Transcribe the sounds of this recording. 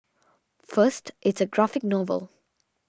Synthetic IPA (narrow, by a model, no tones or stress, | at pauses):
fəstʔɪtsəɡɹafɪk̚nɔvə̰l